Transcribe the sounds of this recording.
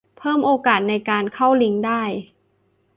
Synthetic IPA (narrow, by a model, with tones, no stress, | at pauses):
pʰɤː˥˩mʔoː˧kaː˨˩t̪̚na˧jkaː˧nkʰa˥˩wli˦˥ŋdaː˥˩j